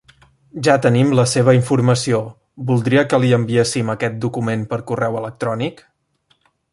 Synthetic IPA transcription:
ʒat̪ənimləseβ̞əiɱfuɾməsio | bulˠd̪ɾiəkəliəmbiesiməkɛt̪̚d̪ukumempəɾkurɛwələk̚t̪ɾɔnik

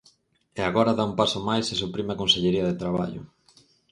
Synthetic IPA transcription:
eaɣoɾɐðaumpasʊmajsɪsupɾimeakõnseʎeɾiɐðet̪ɾaβ̞a̰ʎʊ̰

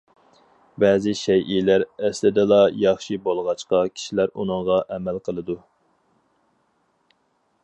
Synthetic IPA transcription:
bɛːzɪʃɛjʔilæɾɛslɪd̪ɛlˠɑjɑχʃibolˠʁɑt͡ʃqɑkʲʰi̥ʃilæɾunɨŋʁɑʔɛmælqʰəlˠɨd̪u

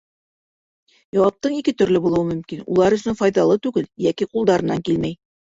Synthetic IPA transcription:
jɒwɑp̚t̪ɤɴikɘt̪ɵ̆ɾlɘbulˠɤ̆wɤmɵ̆mkinṵlˠɑɾɵ̆sɵnfɒjðɑlˠɤt̪ʉɡɘljækiqulˠd̪ɑɾɤ̆nːɑŋkilmæj

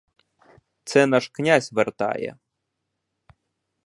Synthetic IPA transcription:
t̪t͡s̪ɛnaʂknʲazʲvɛrt̪a̰jɛ̰

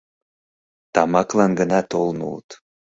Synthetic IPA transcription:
t̪ɑmɑklɑnɡənɑt̪olnṵlət̪

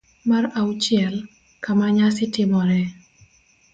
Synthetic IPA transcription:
marawt͡ʃɪɛl | kamaɲasɪtɪmɔɾɛ

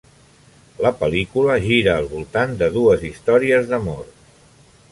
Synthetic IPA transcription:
ləpəlikuləʒiɾəːlˠβulˠt̪and̪əðuəzist̪ɔɾiəzðəmɔɾt̪

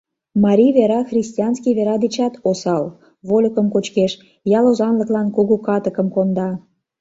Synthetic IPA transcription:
mɑɾʲiβeɾɑxrʲisʲtʲiɑnskijβeɾɑd̪et͡ɕɑt̪osɑl | βolʲəkəmkot͡ɕkeʃ | jɑlozɑnləklɑnkuɣukɑt̪əkə̆mkond̪ɑ

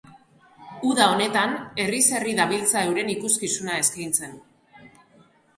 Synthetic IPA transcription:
uðao̞ne̞t̪ane̞rise̞riðaβilt͡sae̞wɾe̞nikuskisunae̞skajnt͡se̞n

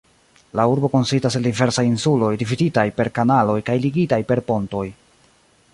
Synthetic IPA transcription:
lauɾbo̞ko̞nsistaseldive̞ɾsajinsulo̞jdifiditajpe̞ɾkanalo̞jkajliɡitajpe̞ɾpo̞nto̞j

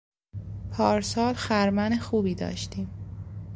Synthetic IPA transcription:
pʰɒːɾsɒːlxæɾmænexuːbiːd̪ɒ̰ːʃt̪iːm

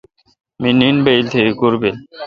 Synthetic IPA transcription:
minːinbejlt̪ʰekekuɾbel

